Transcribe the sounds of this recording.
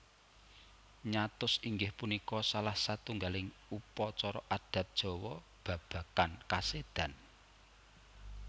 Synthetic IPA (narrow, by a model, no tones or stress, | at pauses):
ɲat̪ʊsiŋɡɪhpunikɔsalahsat̪uŋɡalɪŋupɔt͡ʃɔɾɔʔad̥ä̤t̪̚d̥ʒ̥ɔ̤wɔ | b̥a̤b̥ä̤kankased̪̥a̤n